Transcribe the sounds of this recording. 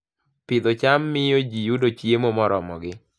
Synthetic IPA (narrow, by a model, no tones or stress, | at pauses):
pɪd̪ot͡ʃamːɪjod͡ʒijudot͡ʃjemomɔɾɔmɔɡɪ